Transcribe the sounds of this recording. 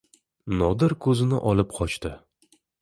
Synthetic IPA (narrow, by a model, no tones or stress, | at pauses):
nɒd̪ɪɾkʰɵzɪnɪ̰ʔɒlɪp̚qʰɒt͡ʃt̪ɪ